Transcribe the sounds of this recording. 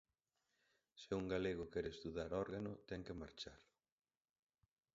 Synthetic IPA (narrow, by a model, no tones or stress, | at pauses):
sɪuŋɡaleɣʊkɛɾest̪uðaɾɔɾɣanʊt̪ɛŋkɪmaɾt͡ʃaɾ